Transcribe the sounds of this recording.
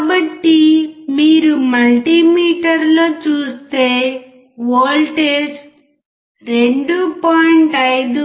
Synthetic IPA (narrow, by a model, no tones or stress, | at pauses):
kabɐʈːimiːɾumɐlʈimiːʈɐɾloːt͡ʃuːst̪e̞ː | ʋoːlʈeːs | ɾeɳɖupaːjiɳʈɐjd̪u